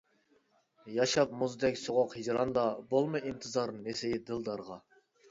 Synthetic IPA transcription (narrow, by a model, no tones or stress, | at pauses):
jɑʃɑpmuzd̪ɛkʲsoʁoqhid͡ʒɾɑnd̪ɑbolˠmɨʔint̪ʰɨzɑɾnesejid̪ɨlˠd̪ɑɾʁɑ